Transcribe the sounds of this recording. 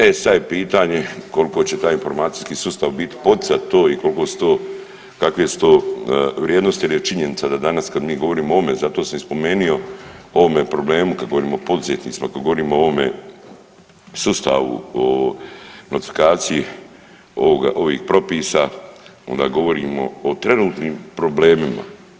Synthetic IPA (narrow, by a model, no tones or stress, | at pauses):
esad̪jepiːt̪aːɲe̞ko̞lko̞t͡ɕe̞t̪aːjinfo̞ɾmaːt̪si̥jskiːsust̪aʋbit̪i̥pot̪i̥sat̪t̪oːiko̞lko̞ːsu̥t̪o̞ː | kakʋesu̥t̪o̞ːʋɾʲjeːd̪nost̪ilit͡ʃiɲe̞nit̪sad̪ad̪anaskad̪miːɡo̞ʋo̞ɾiːmoʋome̞zat̪o̞ːsamspo̞me̞ːnio̞o̞ʋome̞pɾo̞ble̞ːmukad̪ɡo̞ʋo̞ɾiːmoopo̞d̪uzet̪nḭːt̪simakad̪ɡo̞ʋoɾiːmooʋome̞̰ | sust̪a̰ʋṵo | not̪i̥fi̥kaːt̪siji | ooɡa̰ʔo̞ʋḭːxpɾo̞piːsaond̪a̰ːɡo̞ʋo̞ɾiːmo̞̰ːt̪ɾe̞nuːt̪niːmpɾo̞ble̞ːmima̰